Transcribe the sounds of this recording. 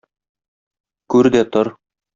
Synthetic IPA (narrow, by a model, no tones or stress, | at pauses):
kʉɾd̪æt̪oɾ